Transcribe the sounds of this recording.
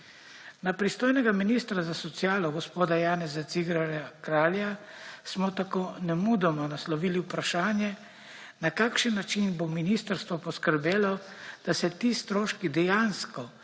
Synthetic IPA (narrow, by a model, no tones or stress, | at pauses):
napɾist̪oːjnɛɡaminiːst̪ɾazasɔt̪sjaːlɔɡɔspoːd̪ajaːnɛzat̪siɡɾaɾakɾaːlja | smɔt̪akoːnɛmud̪ɔmɔnaslɔʋiːliwpɾaʃaːnjɛ | nakaːkʃənːat͡ʃinbominiːst̪əɾst̪ʋɔpɔskəɾbeːlɔd̪̥asɛt̪iːst̪ɾoːʃkid̪ɛjaːnskɔ